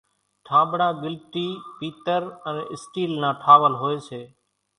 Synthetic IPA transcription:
ʈʰãːɓɳãːɡɪlʈiːpiːt̪əɾəneːʔɪsʈiːlnãːʈʰaːʋəlɦoːeːseː

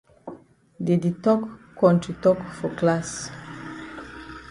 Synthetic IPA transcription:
diditɔk | kːɔ̃ntitɔkfɔklas

